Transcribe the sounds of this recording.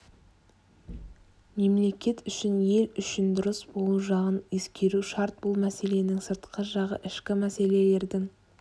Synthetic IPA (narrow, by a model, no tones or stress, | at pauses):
me̞mle̞kʲe̞t̪ʏʃɪnje̞lʏʃɪnd̪ʊɾəsbo̞lˠuʒɑʁənje̞skʲe̞ɾuʃɑɾt̪̚b̥ʊlˠmæse̞le̞nɪŋsəɾt̪qʰəʒɑʁə̰ʔɪʃkʲɪmæse̞le̞le̞ɾd̪ɪŋ